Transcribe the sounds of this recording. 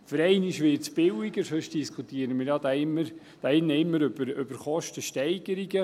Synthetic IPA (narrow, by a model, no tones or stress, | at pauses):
fəɾɛɪnɪʃʋɪːtsb̥ɪwiɡəɾsøʃd̥iskʰut̪iəɾənmiːɾjɑːd̪ɑɪmːəɾ | d̥ɑːɪnːəɪmːəɾøbəɾʏb̥əɾχɔʃtəʃtɛɪɡ̥əɾiɡə